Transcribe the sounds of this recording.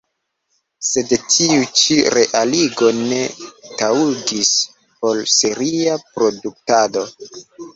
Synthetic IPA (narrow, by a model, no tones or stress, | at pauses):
se̞dtʰiut͡ʃiɾe̞ʔaliɡo̞ne̞tauɡis | po̞lseɾiapɾo̞duk̚tado̞